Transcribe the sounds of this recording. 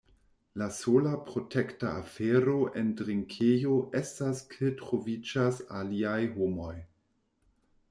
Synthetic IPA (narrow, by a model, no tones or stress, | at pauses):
lasolapɾo̞tʰektaafeɾoʔendɾiŋkʰejoʔestaskʰetɾovid͡ʒasaliajɦomo̞j